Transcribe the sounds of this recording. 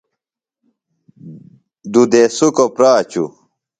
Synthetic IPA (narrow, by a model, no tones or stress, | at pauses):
d̪ud̪esukopɾaːt͡ɕṵ